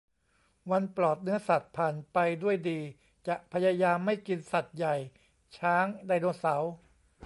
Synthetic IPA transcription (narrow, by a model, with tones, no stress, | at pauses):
wa˧nplɔː˨˩t̪̚nɯ˦˥ɐsa˨˩t̪̚pʰaː˨˩npa˧jdu˥˩əjdiː˧ | t͡ɕa˨˩ʔpʰa˧jaː˧jaː˧mːa˥˩jki˧nsa˨˩t̪̚ja˨˩j | t͡ɕʰaː˦˥ŋda˧jnoː˧sa˩˦w